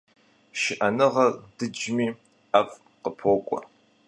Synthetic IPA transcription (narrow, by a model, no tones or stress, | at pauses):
ʃɪʔɐnɨʁɐrd̥ɨd͡ʒmiː | af | qəpʰoːkʷʼɔ̰